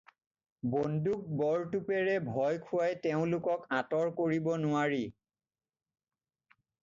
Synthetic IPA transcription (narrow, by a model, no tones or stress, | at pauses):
bonduk̚bɔɹtupɛɹɛbʱɔjkʰʊwajteʊ̃lʊkɔkãtɔɹkoɹibɔnʊaɹi